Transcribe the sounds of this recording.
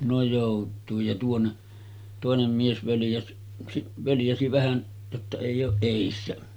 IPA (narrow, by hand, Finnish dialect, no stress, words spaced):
no joˑutˑuij jɑ tuonːe toˑenem mies ʋøljæs siʔ ʋøljæsi ʋæhæn jotːɑ eˑij oːʔ ʔeˑisːæ